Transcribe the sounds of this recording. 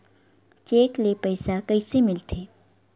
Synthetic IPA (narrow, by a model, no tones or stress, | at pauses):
t͡ʃeːklepəɪsakəisemɪlt̪ʰeː